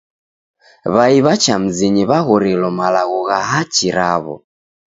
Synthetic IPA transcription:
βaiβat͡ʃam̩ziɲiβaɣɔɾɛlɔmalaɣɔɣaɦat͡ʃiɾaβɔ̰

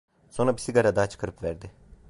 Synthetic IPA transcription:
so̞nɾabisiɡaɾad̪aːt͡ʃʰɯ̥kʰaɾɯpvæɾd̪ɪ

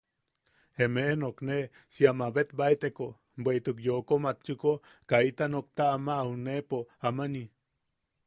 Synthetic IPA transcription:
emeʔenokne | siamabet̪̚bait̪eko | bʷejt̪ukjokomat̪t͡ʃuko | kait̪anok̚t̪aːmaunepoamani

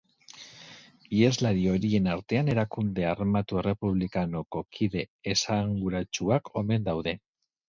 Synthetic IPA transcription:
biezlaɾio̞ɾie̞naɾt̪e̞ane̞ɾakund̪e̞armat̪ue̞re̞puβlikano̞ko̞kʰiðe̞ːsaŋɡuɾat͡ʃuakʰo̞me̞nd̪awðe̞

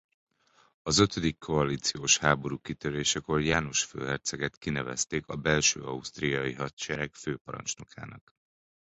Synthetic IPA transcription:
ɒzø̞t̪ʰø̞d̪ikʰːo̞ɒliːt̪sijoːʃhaːbo̞ɾuːkit̪øɾeːʃɛko̞rjaːno̞ʃfø̰ːɦɛrt̪sɛɡɛt̪kinɛvɛ̰st̪eːkɒbɛlʃø̰ːɒust̪rijɒjiɦɒt̪t͡ʃɛɾɛkføːpɒɾɒ̰nt͡ʃno̞kʰa̰ːnɒk

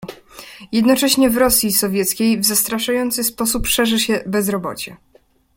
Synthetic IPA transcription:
jɛd̪nɔt͡ʂɛɕɲɛvɾɔsʲjisɔvʲjɛt̪skʲejvzast̪ɾaʂajɔnt̪sɘspɔsupʂɛʐɘɕɛbɛzɾɔbɔ̰t͡ɕɛ

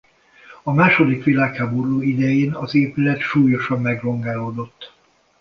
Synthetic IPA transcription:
ɒmaːʃo̞d̪ikʋilaːkhaːboɾuːid̪ɛjeːnɒzeːpylɛt̪ʃuːjo̞ʃɒmːɛɡro̞ŋɡaːloːd̪o̞t̪ː

